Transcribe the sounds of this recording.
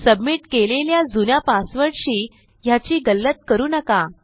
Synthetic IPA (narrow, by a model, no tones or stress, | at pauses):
səbmiːʈkeleljad͡zunjapasʋəɽɕiː | jat͡ɕiːɡəlːət̪̚kəɾuːnəka